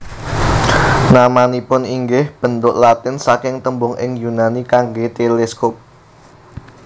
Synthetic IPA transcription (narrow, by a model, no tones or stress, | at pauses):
namanipʊniŋɡɪhb̥ə̤nt̪ʊʔlat̪ɪnsakɪŋt̪əmbʊŋʔɪ̰ŋjunanikaŋɡet̪eleskop̚